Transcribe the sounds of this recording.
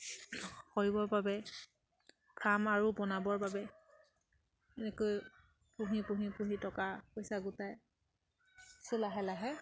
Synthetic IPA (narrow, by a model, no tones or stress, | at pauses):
koɹibɔɹbabɛ | kʰamaɹubɔnabɔɹbabɛ | ɛnɛkoj | pũɦipũɦipuɦitɔkapojsaɡʊtaj | sulaɦɛlaɦɛ